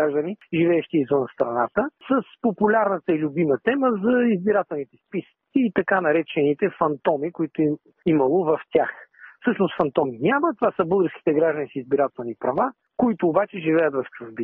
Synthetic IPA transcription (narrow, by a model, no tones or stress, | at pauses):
aʒd̪əniʒivɛɛʃt̪iːzvənst̪ɾɐnat̪əsəspopulʲaɾnət̪əilʲʊbimət̪ɛməzɐizbiɾat̪ɛlˠnit̪ɛspisə̥kiːt̪ɐkanɐɾɛt͡ʃɛnit̪ɛfɐnt̪ɔmikʊit̪ʊi | imɐlˠovɐft̪ʲaxfsɤʃnʊsfɐnt̪ɔminʲamət̪ovasəbɤlˠɡəɾskʲi̥t̪ɛɡɾaʒd̪ənisizbiɾat̪ɛlˠnipɾɐva | koit̪ʊːbat͡ʃɛʒivɛjət̪vɐft͡ʃuvbi